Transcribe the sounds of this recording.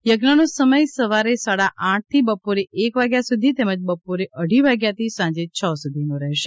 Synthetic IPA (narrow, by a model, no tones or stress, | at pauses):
jəɡnənõsəməjsəʋaɾesaɽaʔãʈ̚t̪ʰibəpoɾeʔekʋaɡjasud̪ʱit̪eməd͡ʒbəpoɾeʔəɽ̤ʱiʋaɡjat̪ʰisãɲd͡ʒet͡ʃʰəsud̪ʱinõɾɛɦʃe